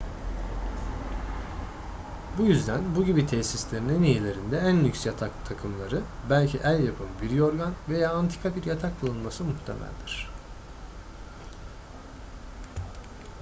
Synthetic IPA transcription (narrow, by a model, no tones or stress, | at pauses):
bujyzd̪ænbuɟibit̪ʰɛsislʲe̞ɾininijelʲe̞ɾind̪ɛænːʲycsjat̪ʰakt̪ʰakʰɯmlˠaɾɯbælʲcʰiʔælʲjapʰɯnbiɾjo̞ɾɡanve̞jaːnt̪ʰi̥kʰabiɾjat̪ʰak̚bɯlˠɯnmasɯmuht̪ʰḛmʔæ̰lʲd̪iɾ̝̥